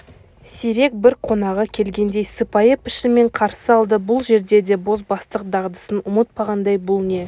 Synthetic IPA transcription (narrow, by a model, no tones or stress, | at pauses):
siɾe̞k̚bɪɾqʰo̞nɑʁəkʲʰe̞lɡʲe̞nd̪e̞jsəpɑjəpɪ̥ʃɪme̞ɴqʰɑɾsəɑlˠd̪əbʊlˠʒe̞ɾd̪e̞d̪e̞bo̞zbɑst̪əq̚d̪ɑʁd̪əsənʊmət̪̚pʰɑʁɑnd̪ɑjbʊlˠne̞